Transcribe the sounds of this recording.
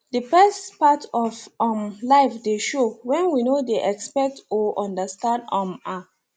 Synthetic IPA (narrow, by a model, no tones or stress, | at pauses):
dəfɛstpatʰɔvɔ̃mlaɪfdeʃowɛ̃nwinodeʔɛkspɛk̚tɔʔɔ̃ndəstãndãma